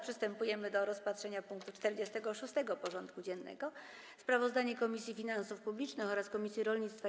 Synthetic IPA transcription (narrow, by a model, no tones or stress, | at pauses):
pʂɘst̪ɛmpujɛmɘd̪ɔɾɔspat̪ʂɛɲapuŋkt̪ut͡ʂt̪ɛɾd͡ʑɛst̪ɛɡɔʂust̪ɛɡɔpɔʐɔnt̪kud͡ʑɛnːɛ̰ɡɔ | spɾavɔzd̪aɲɛkɔmʲisʲjifʲinansufpublʲit͡ʂnɘxɔɾaskɔmʲisʲjiɾɔlɲit̪st̪fa